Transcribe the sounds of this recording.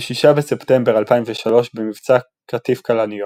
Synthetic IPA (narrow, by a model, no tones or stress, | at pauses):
ʃiʃabeseptembeʁalpaimveʃalo̞ʃbemivt͡sa | katifkalanio